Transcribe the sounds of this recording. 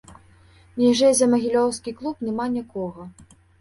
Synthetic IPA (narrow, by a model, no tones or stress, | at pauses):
mʲɛʐɛzʲɐmɐɣʲilʲɔwskʲiklˠupnʲɛmanʲikɔɣɐ